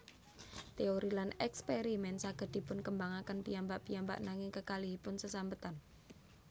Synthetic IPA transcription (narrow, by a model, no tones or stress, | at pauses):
t̪eoɾilanɛkspeɾimɛnsaɡ̥ə̤d̪̥i̤pʊnkəmbaŋakənpiambaʔpiamba̰ʔnaŋɪŋkəkaliɦipʊnsəsambət̪an